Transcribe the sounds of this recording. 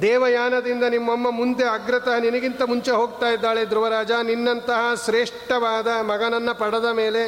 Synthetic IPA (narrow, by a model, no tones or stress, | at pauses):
d̪ɛːʋɐjaːnɐd̪ind̪ɐnimːɐmːɐmund̪eɐɡɾɐt̪ɐɦɐninɐɡint̪ɐmuɲt͡ʃeɦoːɡ̚t̪aːjid̪ːaːɭed̪ɾuʋɐɾaːd͡ʒaːninːɐnt̪ɐɦɐʃɾeːʂʈɐʋaːd̪ɐmɐɡɐnɐnːɐpɐɽɐd̪ɐmeːle̞